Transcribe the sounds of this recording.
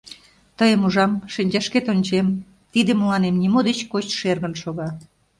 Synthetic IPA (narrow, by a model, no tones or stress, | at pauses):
t̪əjəmuʒɑmʃinʲd͡ʑɑʃket̪onʲt͡ɕem | t̪id̪eməlɑnemnimod̪et͡ɕkot͡ɕʃerɣənʃoɣɑ